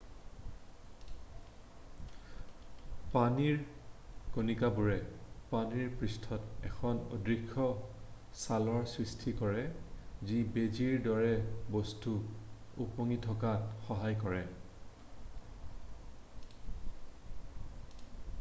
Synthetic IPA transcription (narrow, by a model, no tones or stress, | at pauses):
paniɹkonikabuɹɛpaniɹpɹistʰɔtɛxʰɔno̰dɹikʰːɔ | salɔɹswistʰikɔɹɛzibeziɹdɔɹɛbostuupoŋitʰɔkatxɔɦajkɔɹɛ